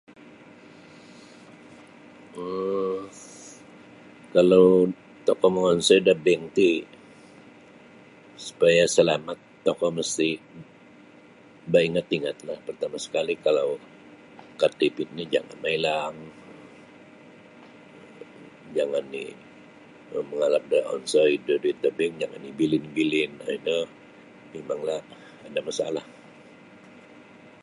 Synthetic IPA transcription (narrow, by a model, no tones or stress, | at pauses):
ə | kalaw | t̪ɔkɔməŋɔnsadabɛŋt̪i | su̥pajasəlamat̪ːokɔməst̪i | baiŋat̪iŋat̪lahpərt̪amasə̥kalikalaw | kat̪ipɪt̪̚nid͡ʒa̰ŋa̰nmailaŋ | d͡ʒaŋanːi | məŋalap̚dəɔ̰nsɔjdədit̪əbɪŋd͡ʒaŋa̰nːibilɪnbilɪna̰inə | memaŋlah | adamasa̰lah